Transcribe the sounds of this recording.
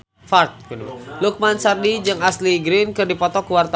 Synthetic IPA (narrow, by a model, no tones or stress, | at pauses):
fart̪̚klʊk̚mansardid͡ʒɨŋasliɡɾɪnkɨrdipɔt̪ɔkuwart̪a